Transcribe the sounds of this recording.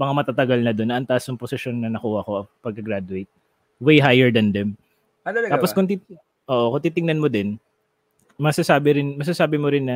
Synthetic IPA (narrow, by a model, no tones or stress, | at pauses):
mɐŋamɐt̪aːt̪ɐɡɐlnɐd̪o̞nːɐʔɐnt̪aʔsjʊŋposɪʃjo̞nːɐnɐkuːhɐko̞ɐpɐɡ̚kːɐɡɾad̪ʊejt̪̚ | wejɦajɛɹd̪ɐnd̪ɛm | aːposkʊŋt̪i | ʔo̞ːʔokʊŋt̪iːt̪ɪŋnɐnmod̪ɪn | mɐsasaːbɪɾɪnmɐsasaːbɪmoɾɪnːɐ